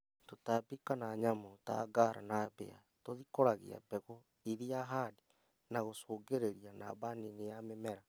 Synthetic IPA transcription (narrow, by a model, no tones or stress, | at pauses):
totabikanaɲamota̰ːɡaɾa̰nabḛa̰ | toðikoɾaɣḛa̰bɛɣɔ | iðiaɦade | naɣosoːɡeɾeɾiana̰baninejamemɛɾa